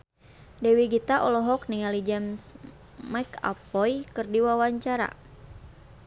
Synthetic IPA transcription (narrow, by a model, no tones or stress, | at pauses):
dɛwiɡit̪aʔɔlɔɦɔkniŋalid͡ʒams | majka̰pɔjkɨrdiwawaɲt͡ʃaɾa̰